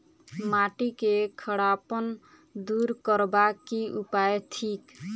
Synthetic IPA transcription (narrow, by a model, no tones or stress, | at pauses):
maʈikekʰəɽapən | d̪uɾkəɾbakiʔupajtʰik